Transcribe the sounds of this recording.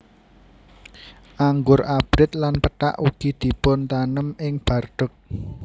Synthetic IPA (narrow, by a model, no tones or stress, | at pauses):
ʔaŋɡʊrʔab̥ɾɪt̪̚lanpəʈa̰ʔuɡ̥i̤d̪̥i̤pʊnt̪anəmɪŋb̥a̤rɖ̪̥ə̤k̚